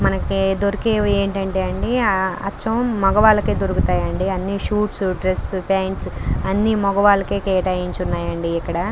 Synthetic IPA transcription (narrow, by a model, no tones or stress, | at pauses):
mɐnɐkid̪oɾikeːeːɳʈɐɳʈe̞ːɐɳɖiɐ̰t͡ʃːɐmːɔɡɐʋaːlɐkeːd̪oɾukut̪aːjɐɳɖiɐnːiʃuːʈsuɖɾesːpaːɳʈsɐnːimɔɡɐʋaːlɐke̞ːkɛːʈɐːjiɲt͡ʃunːaːjɐɳɖiːkːɐɽɐ